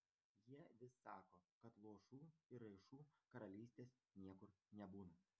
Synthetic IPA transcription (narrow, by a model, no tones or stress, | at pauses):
jiɛʋʲɪsːɑːkoːkɐt̪lˠuɔʃuːɪɾɐɪʃuːkɐɾɐlʲiːsʲt̪ʲeːs | nʲiɛkʊɾnʲɛbuːnu